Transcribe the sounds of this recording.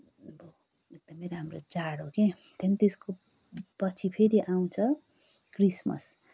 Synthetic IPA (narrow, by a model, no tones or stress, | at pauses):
bo | ek̚d̪ʌmeɾaɦamrot͡saɽɦoke | t̪ʰʌnit̪esko | pʌt͡sʰipʰeɾiʔaw̃t͡sʰʌ | krismʌ̰s